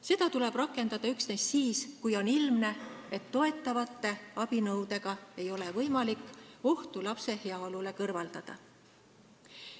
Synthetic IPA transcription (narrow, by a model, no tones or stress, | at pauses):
se̞d̪̥ɑt̪ule̞b̥rɑkˑːe̞nd̪̥ɑd̪̥ɑyksne̞sːiːskujo̞nilmne̞et̪ːo̞e̞t̪ːˑɑvɑt̪ˑːe̞ɑb̥inɤwd̪e̞ɡ̥ɑe̞jo̞levɤjmɑlikːˑo̞ht̪ulɑpse̞he̞ɑo̞lule̞kɤrvɑld̪ɑd̪̥ɑ̰